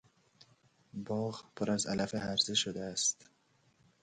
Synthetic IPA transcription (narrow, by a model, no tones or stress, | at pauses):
bɒːɣpʰoɾæzæ̰læfehæɾzeʃod̪eæst̪